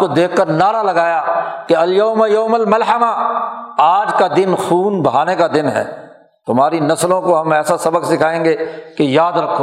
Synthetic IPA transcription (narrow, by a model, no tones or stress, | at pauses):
kod̪eːkʰːəɾnaːɾalɐɡaːjakeɐljoːmajoːmɐlmɐlɦəma | aːd͡ʒkad̪ɪnxuːnbɐɦaːnekad̪ɪnɦɛ̰ː | t̪ʊmaːɾinɐslõkoɦɐmɛːsasɐbəksɪkʰaːẽːŋɡekejaːd̪ɾɐkʰːo